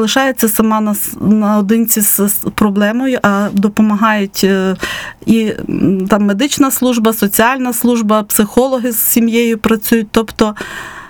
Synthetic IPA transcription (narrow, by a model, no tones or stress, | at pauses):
lˠɪʃɑjet͡sʲːɐsɐmɑnɐnɐɔd̪ɪnt͡sʲizpɾɔblˠɛmɔjʊʔɐd̪ɔpɔmɐɦɑjʊtʲ | it̪ɑmːed̪ɪt͡ʃnɐslˠuʒbɐsɔt͡sʲiɑlʲnɐslˠuʒbɐpsɪxɔlˠɔɦɪz̥sʲimjejʊpɾɐt͡sʲujʊt̚ʲt̪ɔpt̪ɔ